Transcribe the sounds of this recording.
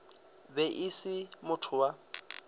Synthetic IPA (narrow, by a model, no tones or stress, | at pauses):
bɛʔisɪmʊtʰʊwa